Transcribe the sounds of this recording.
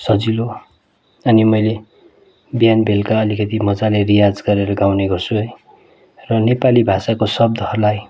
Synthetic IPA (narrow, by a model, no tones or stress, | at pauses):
sʌd͡zilo | ʌnimʌjle | bjanbʱelkaʌlikʌt̪imʌd͡zalerijad͡zɡʌɾeɾʌɡawneɡʌrsuɦ | rʌnepalibʱasakosʌb̚d̪ʱʌɦʌrlaj